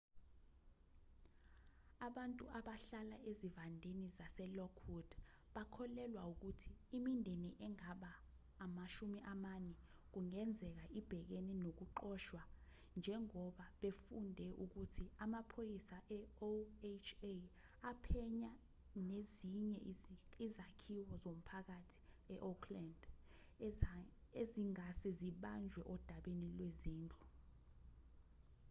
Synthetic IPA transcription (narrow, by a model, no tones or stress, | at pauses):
aɓantʼuʔaɓaɬalaezivandʱenizasɛlɔkʰwud̥ | ɓakʰɔlɛlwauk̬utʰiːmindʱeniʔɛŋaɓaː | maʃumiʔamanɛ | k̬uŋɛnd͡zʱɛk̬aʔib̥ʱɛk̬eninok̬uǃɔʃwa | nd͡ʒʱɛŋɔɓaɓefundʱɛʔuk̬utʰiamapʰojisaʔɛoet͡ʃʰe | apʰɛɲa | neziɲɛizakʰiwɔzom̩pʰak̬atʰi̥ | ɛʔɔkʰland | eziŋasɛziɓand͡ʒʱwɛʔɔd̥ʱaɓenilweziːnd͡ɮʼu